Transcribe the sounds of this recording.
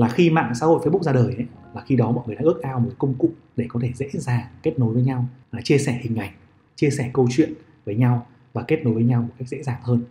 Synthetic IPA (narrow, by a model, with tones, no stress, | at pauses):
laː˨˩xi˧ma̰ː˧˨ŋsa̰ː˧˥ho̰˧˨fːɓʊ˦˥k̚zaː˧ɗəː˨˩jʔə˨˦laː˨˩xi˧ɗɔ˨˦mɔ̰˧˨jŋɨ˨˩əja̰ː˧˦˥ək̚ʔaː˧wmo˨˩˦kə˧wŋ͡mkʊ̰˧˨ŋ͡m̚ | ɗe˧˩kɔ˨˦t̪ʰe˧˩zḛ˧˥zaː˨˩ŋke˦˥t̚no˨˦jvəː˨˦jɲa˧wlaː˨˩t͡ɕi˧əsɛ˧˩hï˨˩ŋ̟ʔa˨˩jŋ̟ | t͡ɕi˧əsɛ˧˩kə˧wt͡ɕwḭ˧˨ən | vəː˨˦jɲa˧w | vaː˨˩ke˦˥t̚no˨˦jvəː˨˦ɲa˧wmo˨˩t̚ka˦˥jk̚zḛ˧˥zaː˨˩ŋhəː˧n